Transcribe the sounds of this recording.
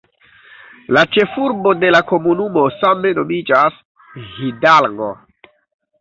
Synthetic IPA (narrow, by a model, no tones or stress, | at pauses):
lat͡ʃe̞fuɾbo̞de̞lako̞munumo̞same̞no̞mid͡ʒas | hidalɡo̰